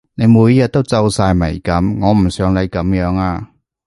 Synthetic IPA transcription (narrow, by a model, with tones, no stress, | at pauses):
ne˨˧jmuː˨˧˥jjɐ˨t̪̚ːo˥wt͡sɐ˧wsaː˧jmɐ˨˩jkɐ˨˥mŋɔː˨˧m̩˨˩sœː˨˧ŋle˨˧jkɐ˨˧˥mjœː˨˧˥ŋaː˧